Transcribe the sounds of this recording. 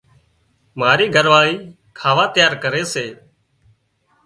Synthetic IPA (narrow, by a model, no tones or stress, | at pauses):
maːɾiːɡʱəɾʋaːiː | kʰaːʋaːt̪ɪjaːɾkəɾeːseː